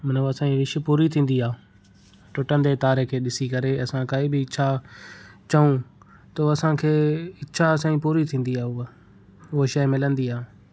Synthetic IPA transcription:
mɐnoɐsãːiɾɪʃpuːɾit̪ʰĩːn̆d̪iaː | ʈʊʈə̃nd̪et̪aːɾekʰeːɗɪsikɐɾeɐsãkaːibɪɪʃʰa | t͡ɕɐũ | t̪ɐɐsãkʰeːɪːʃʰasãːĩpuːɾit̪ʰĩːn̆d̪iaːʊ | ʊɦoʃɐɪmɪlə̃nd̪iaː

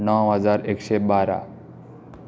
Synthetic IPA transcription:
nɔwɦʌd͡zaɾekʃebaɾa̰

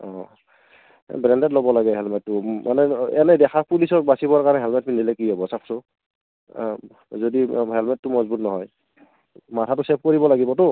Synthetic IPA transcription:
ɔ̃ | bɹɛndɛtlɔbɔlaɡɛɦɛlmɛtːʊma̰nɛɛnɛdɛxapulisɔɹbasibɔkaɹnɛɦɛlmɛt̚mindilɛkiɦɔbɔsakʰsɔ | zodiɦɛlmɛtːʊmɔzbutnɔɦɔj | matʰatʊsɛp̚ʰkoɹibɔlaɡibɔtʊ

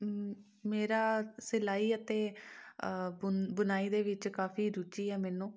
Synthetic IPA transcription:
meːɾaːsɪlaːiːət̪ẽː | bənaːiːd̪eːʋɪt͡ʃkaːpʰiːɾʊt͡ʃiːɛːmɛːnũː

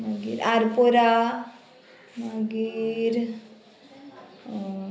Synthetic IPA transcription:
maɡḭɾaɾpoɾa | maɡiiɾ

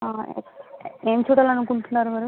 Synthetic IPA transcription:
a̰ː | eːmt͡ʃuːʈɐlɐnukuɳʈunːaːɾumɐɾu

